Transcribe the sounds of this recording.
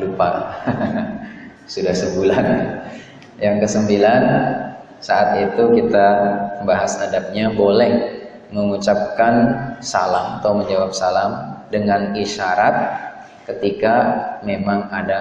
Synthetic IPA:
lupa | sudahsəbulan | jaŋkəsəmbilan | saʔat̪it̪ukit̪abaɦasadap̚ɲabolɛh | məŋut͡ʃap̚kansa̰lamat̪aməɲd͡ʒawap̚salamdəŋaniʃaɾat̪̚ | kət̪ikamemaŋada

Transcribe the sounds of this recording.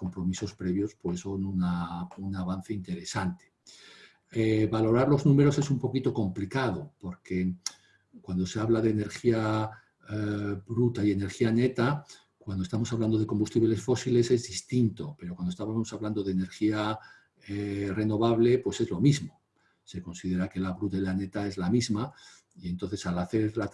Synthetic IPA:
ko̞mpɾo̞miso̞spɾe̞βjo̞spwe̞so̞nunaunaβan̟θe̞int̪e̞ɾe̞sant̪e̥ | eβalo̞ɾaɾlo̞znũme̞ɾo̞se̞sumpo̞kit̪o̞ko̞mplikað̞o̞po̞ɾke̞ | kwand̪o̞se̞aβlaðe̞ːne̞ɾxia | βɾut̪aie̞ne̞ɾxiane̞t̪a | kwand̪oest̪amosaβland̪o̞ð̞e̞ko̞mbust̪iβle̞sfo̞sile̞se̞zðist̪int̪o̞pe̞ɾokwand̪ost̪aosaβland̪o̞ðe̞ːne̞ɾxia | ere̞no̞βaβle̞pwe̞se̞zlo̞mizmo̞ | se̞ko̞nsiðe̞ɾake̞laβɾut̪alane̞t̪ae̞zlamizma | ie̞nt̪o̟θe̞salaθe̞ɾla

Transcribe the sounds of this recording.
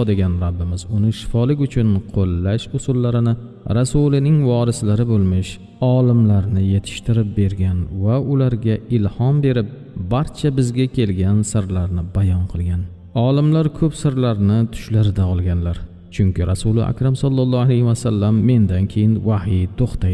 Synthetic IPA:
d̪eɡʲanɾabːɪmɪzʊnɪʃɪ̥fɒlɪkʲʊt͡ʃʰʊnqʰolːaʃʊsʊlːaɾɪnɪ | ɾasʊlɪnɪŋvɒɾɪslaɾɪbolˠmɪʃ | ɒlɪmlaɾnɪje̞t̪ʰɪ̥ʃt̪ʰɪɾɪp̚be̞ɾɡʲanvaʊlaɾɡʲaɪlhɒmbe̞ɾɪp̚ | baɾt͡ʃʰabɪzɡʲakʲʰe̞lɡʲansɪɾlaɾnɪbajɒnqʰɨlˠɡʲan | ɒlɪmlaɾkʰɵpsɪɾlaɾnɪt̪ʰʊ̥ʃlaɾɪd̪aɒlˠɡʲanlaɾ | t͡ʃʰʊŋkʲɪɾasʊlɪ̰ʔa̰kʲɾamsɒlˠːɒlˠːɒalejhɪwasalːamːe̞nd̪ankʲʰe̞jɪnvahɪt̪ʰoχt̪ajɪ

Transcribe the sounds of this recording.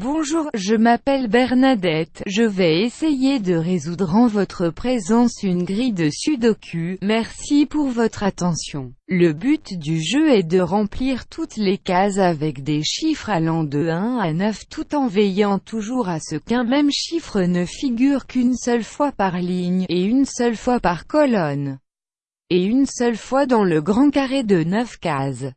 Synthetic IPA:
bɔ̃ʒuːʁʒəmapɛlbɛʁnad̪ɛt̪ʒəvɛesejed̪əʁezud̪ʁɑ̃vɔt̪χəpχezɑ̃synɡʁid̪əsyd̪ɔkʲʰymɛʁsipuʁvɔt̪χat̪ɑ̃sjɔ̃ləbyt̪d̪yʒøɛd̪əʁɑ̃pliʁt̪ʰut̪lekazavɛkd̪eʃifχalɑ̃d̪əɛ̃anœft̪ut̪ɑ̃vɛjɑ̃t̪ʰuʒuʁasəkɛ̃mɛmʃifχənəfiɡʲyʁkynsœlfwapaʁliɲeynsœlfwapaʁkɔlɔn | eynsœlfwad̪ɑ̃ləɡʁɑ̃kaʁed̪ənœfkaz

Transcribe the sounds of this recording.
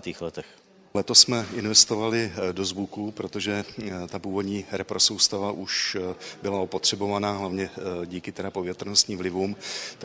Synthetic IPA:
at̪iːxlɛt̪ɛx | lɛt̪o̞ssmɛɪnvɛst̪o̞valɪdo̞zvukupɾo̞t̪o̞ʒɛt̪apuːvo̞dɲiːɾɛpɾo̞sowst̪avaʔuʃbɪlaopot̪r̝̥ɛbo̞vanaːɦlavɲɛɟiːkɪt̪ɛdapo̞vjɛt̪rnost̪ɲiːmvlɪvumt̪

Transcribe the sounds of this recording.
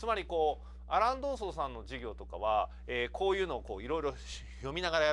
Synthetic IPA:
t͡sɨmaɾʲiko̞ː | aɾãnd̪o̞ːso̞ːsãnːo̞ʑiɡʲo̞ːt̪o̞ka̰β̞a | eːkʰo̞ːjɯ̟ːno̞ːko̞̰ːiɾo̞iɾo̞ | jo̞mʲinaɡaɾaja

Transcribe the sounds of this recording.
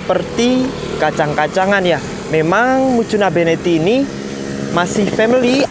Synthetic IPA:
pərt̪i | kat͡ʃaŋkat͡ʃaŋanjah | memaŋmu̥t͡ʃṳnabenet̪ini | masɪhfɛmili

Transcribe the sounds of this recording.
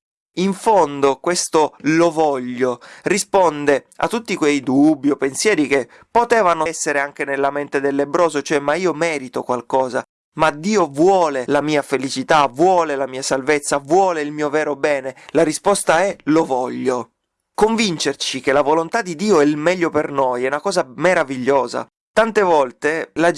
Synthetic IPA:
iɱfond̪okwest̪olovɔʎːorispond̪ea̰t̪ːut̪ːikwejd̪ubːiopensjɛːɾik̟e | pːot̪ɛːvanosːeɾeaŋk̟enelːament̪ed̪elːebɾoːzot͡ʃoɛmːaiːomɛːɾit̪okwalkɔːza̰ | mad̪iːovwɔːlelamiːafelit͡ʃit̪avwɔːlelamiːasalvet̪sːavwɔːleilmiːovɛːɾobɛːnelaɾispɔst̪aɛlovɔʎːo | koɱvint͡ʃert͡ʃik̟elavolont̪ad̪ːid̪iːoɛilmɛʎːopernojɛunakɔːzameɾaviʎːoːza̰ | t̪ant̪evɔlt̪ela

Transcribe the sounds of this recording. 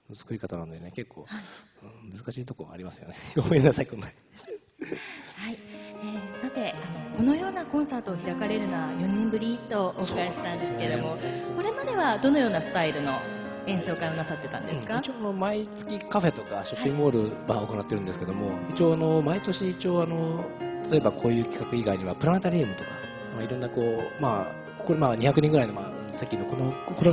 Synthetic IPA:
ɯzɨ̥kɯ̟ɾʲikat̪ananod̪e̞neke̞kʰːo̞̰ːhaiɯ̃mɯ̟zɨkaɕiːt̪okoa̰ːɾʲimasɨ̥joneomoinasaikõnːa | haiesat̪e̞ano̞ko̞no̞jo̞ːnakõ̞ɰ̃saːt̪o̞ːçiɾakaɾe̞ɾɯ̟noβajo̞nẽmbɯ̟ɾʲit̪ːo̞ʔokaeɕi̥t̪ãnd̪esɨ̥ke̞d̪o̞mo̞ko̞ɾe̞mad̪e̞βad̪o̞no̞jo̞ːnasɨ̥t̪aiɾɯ̟no̞ | ẽ̞ɰ̃so̞ːkaɾ̃onasat̪ːe̞t̪ãnd̪ẽ̥kait͡ɕioano̞mait͡sɨ̥kʲikaɸe̞t̪o̞kaɕo̞pːĩŋbo̞ːɾɯ̟bão̞ko̞nat̪ːeɾɯ̃nd̪esɨ̥ked̪o̞mo̞it͡ɕioːano̞mait̪o̞ɕiːt͡ɕio̞ːano̞t̪ʰḁt̪o̞e̞bakʰo̞ːjɯ̟ːkʲi̥kakɯ̟iɡaiɲ̟iβapɯɾant̪aɾʲiːmɯ̟t̪o̞kḁ | maiɾõ̞nːako̞ːma | koɾemaɲ̟içakɯ̟ɲʲĩŋɡɯɾainomaːnosekʲːino̞konokoɾo

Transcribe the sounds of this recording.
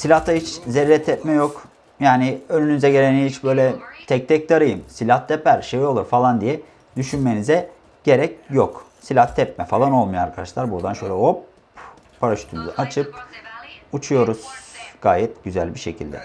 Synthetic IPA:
silʲaht̪ʰahit͡ʃzeɾːɛt̪ʰɛpmɛjok | jaːnɪønynyzɛɟe̞ɾʲenihit͡ʃbø̞jlʲɛt̪ʰɛc̚t̪ʰɛc̚d̪ʰaɾɯjɯmsilʲaht̪ʰːɛpæɾʃevio̞lˠuɾfalˠand̪ijɛ | d̪yʃynme̞nizɛ | ɟ̥e̞ɾɛcjoksilʲaht̪ʰɛpmɛfalˠano̞lˠmuja̰ɾkʰad̪aʃlˠaɾbuɾd̪anʃø̞jlʲɛopː | aɾaʃy̥t̪ʰynuzaʔat͡ʃʰɯp̚ | ut͡ʃʰujo̞ɾuz̥ɡ̥aːjɛt̪ɟyzælʲbiʃe̞cʰḭlʲd̪ɛ̰

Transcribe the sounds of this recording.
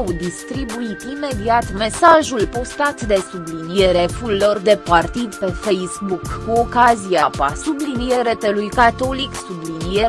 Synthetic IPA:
wd̪ist̪ɾibuit̪ime̞d̪iat̪me̞saʒulpo̞st̪at̪d̪e̞sublinije̞ɾe̞fulːo̞rd̪e̞part̪id̪pe̞fe̞jsbukːuokazijapa̰sublinije̞ɾe̞t̪e̞lujkat̪o̞liksublinije

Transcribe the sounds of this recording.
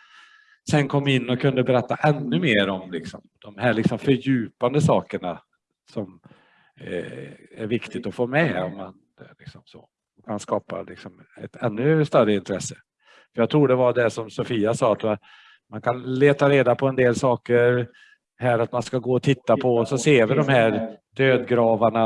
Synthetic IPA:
sɛnkʰɔmːɪnːɔkʰɵnd̪əbɛɾɛt̪ːaʔɛnːɵmeːɾɔmlɪksɔ̰md̪ɔmhæːɭɪksɔmfœɾjʉ̟ːpand̪əsɑːkəɳa | sɔm | æɾvɪkt̪ɪt̪ɔfoːmɛɔ̰mːand̪ɛlɪksɔmso̰ | ɔmanskɑːpa̰lɪksɔmɛ̰t̪ʰɛnːɵst̪œrəɪnt̪ʰɾɛsːə̥ | fœɾjaɡ̚t̪ʰɾuːɖɛvad̪ɛʂɔmsɔfiːasɑːat̪ | mankʰanleːt̪aɾeːd̪apʰɔɛnd̪eːlsɑːkəɾ | ɦæːɾat̪manskaɡoːɔt̪ʰɪt̪ːapʰɔsɔseːvɪd̪ɔmhæːɾd̪øːd̪ɡɾɑːvaɳa

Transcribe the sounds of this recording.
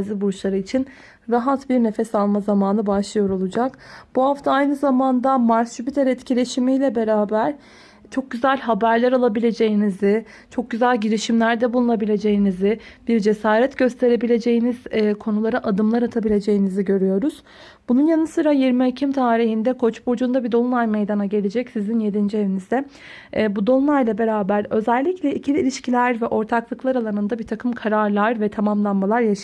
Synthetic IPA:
zibuɾt͡ʃlˠaɾɯit͡ʃʰin | ɾaɦat̪biɾne̞fɛsalˠmazamaːnɯbaʃlˠɯjo̞ɾo̞lˠud͡ʒakb̥uɦaft̪ʰaajnɯzamand̪amaɾst͡ʃybit̪ʰɛɾɛt̪cʰilʲe̞ʃimijlʲɛbe̞ɾaːbæɾ̥ | t͡ʃʰo̞k̚ɟyzælʲɦabæɾlʲæɾalˠabilʲe̞d͡ʒe̞jinizɪ | t͡ʃʰo̞k̚ɟyzælʲɟiɾiʃimlʲæɾd̪ɛbulˠunabilʲe̞d͡ʒe̞jinizɪb̥iɾd͡ʒe̞saːɾɛt̪ɟø̞st̪ʰe̞ɾe̞bilʲe̞d͡ʒe̞jiniz̥ːkʰo̞nulˠaɾɯʔad̪ɯmlˠaɾat̪ʰabilʲe̞d͡ʒe̞jiniziɟø̞ɾyjo̞ɾuz̥ | bununjanɯsɯɾajiɾmiecʰimt̪ʰaːɾiɦhind̪ɛkʰo̞t͡ʃbuɾd͡ʒund̪abid̪o̞nˠulˠajme̞jd̪anaɟe̞lʲed͡ʒɛcsizinje̞d̪ind͡ʒie̞vinizd̪ɛ | bud̪o̞nlˠajlˠabe̞ɾaːbæɾø̞zɛlʲːiclʲɛʔicʰilʲilʲiʃcʰilʲæɾvɛʔo̞ɾt̪ʰaklˠɯklˠaɾalˠanɯnd̪abiɾt̪ʰakʰɯmkʰaɾaɾlˠaɾvɛt̪ʰamamlˠanmalˠaɾjaʃ

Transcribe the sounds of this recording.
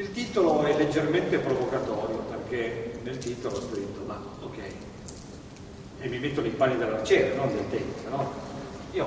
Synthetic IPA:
ilt̪iːt̪oloɛlːed͡ʒːerment̪epɾovokat̪ɔːɾjoperk̟enelt̪iːt̪oloskɾit̪ːoma | okːɛj | emːimet̪ːonoipanːid̪elːart͡ʃɛːɾanond̪ealt̪ɛnsanɔ | io

